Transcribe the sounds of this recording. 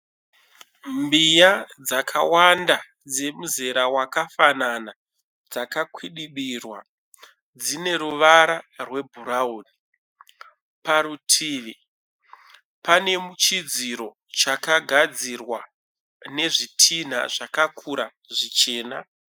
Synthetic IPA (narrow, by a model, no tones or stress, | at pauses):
mbijad͡zakʰawanda | d͡ze̞muzeɾawakafanana | d͡zakakʰwiɗiɓirwa̰ | d͡zine̞ɾuʋaɾarwe̞bʱuɾaoːni | paɾutʰiːʋi | pane̞mut͡ʃid͡ziɾo̞ | t͡ʃakaɡʱad͡zirwa | ne̞ʐitʰin̤a̰ʐakakʰuɾa | ʐit͡ʃe̞ːna